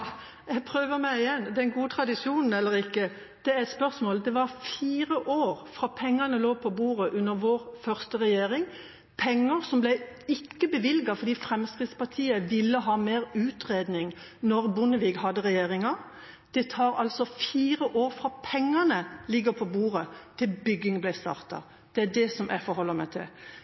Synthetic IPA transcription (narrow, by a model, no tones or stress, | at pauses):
jɛɡpʰɾøːʋəɾmæɪɪjɛnd̪ɛnɡuːət̪ʰɾɑd̪ɪʃuːnn̩ɛlːəɾɪkːə | d̪̥ɛæɾɛt̪spœʁsmoːld̪ɛʋɑɾfiːɾəʔoːɾfɾɑːpʰɛŋːɑnəloːpʰɔbuːʁəʔʉnəɾʋoːɾfœʁst̪əʁɛjeːɾɪŋ | pʰɛŋːəɾsɔmblɛæɪɪkːəbəʋɪlɡɑfɔɾd̪iːfɾɛmskʁɪd̪spɑt̪ʰiːəʋɪlːəɦɑːmeːɾʉːt̪ʁeːd̪nɪŋ | nɔɾbʊnəʋiːɡhɑd̪ːəʁɛjeːɾɪŋɑ | d̪̥ɛt̪ʰɑːɾɑlsɔfiːɾəʔoːɾfʁɑːpʰɛŋːɑnəlɪɡəpʰɔbuːɾət̪ʰɪlbʏɡɪŋblæɪst̪ɑ̰ːʁt̪ɑ̰ | d̪̥ɛæɖɛsɔmʔæ̰fɔɾhɔlːəmæɪt̪ʰɪ̰l